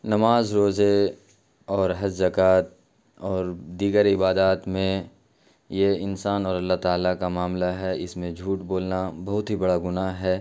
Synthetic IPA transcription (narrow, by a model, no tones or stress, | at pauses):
nɐmaːzɾoːze | ɔːɾɦɐd͡ʒzɐkaːt̪̚ | ɔːɾd̪iːɡəɾɪbaːd̪aːt̪mẽ | jeɪnsaːnɔːɾɐlːaɦt̪aːlakamaːmlaɦɛɪsmẽd͡ʒʱuːʈboːlnabɐɦʊt̪ɦibɐɽaɡʊnaɦɦɛː